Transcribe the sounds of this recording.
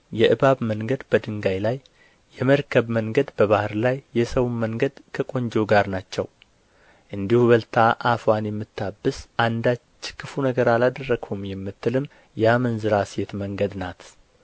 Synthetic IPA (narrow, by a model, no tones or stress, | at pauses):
jɛʔɨβaβməŋɡəd̪bəd̪ɨŋɡajlajː | ɛməɾkʰəβməŋɡəd̪bəβahɨɾlajːɛsəwunməŋɡəd̪kʰəkʼo̞ɲd͡ʒoɡaɾnat͡ʃːɛ̰w | ʔɨnd̪ihuβəlt̪ʰaʔafwanjɛmːɨt̪ːabːɨsʔand̪at͡ʃːkʰːɨfunəɡəɾalad̪ərːəɡhumjɛmːɨt̪ːɨlɨm | jɛamənzɨɾasjet̪məŋɡəd̪nat̪